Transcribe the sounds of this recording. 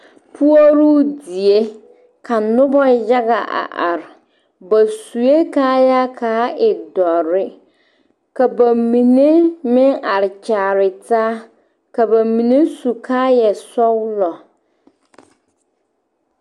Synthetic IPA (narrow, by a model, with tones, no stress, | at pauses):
pʰu˦o˦ɾu˦di˨e˦ | kʰa˨nʊ˦bɔ˦ja˦ɣa˨ʔa̰˨ʔa˨ɾɪ˨ | ba˨su˨je˦kaː˦ja˦kʰaː˨˦ɪ˨dɔ˨ɾɪ˦ | ka˨ba˨mi˨ne˦mɪ˦ŋa˨ɾɪ˨t͡ʃaː˨ɾɪ˨taː˦ | ka˨ba˨mi˨ne˦su˨kʰaː˦jɛ˨sɔ˦wlɔ˨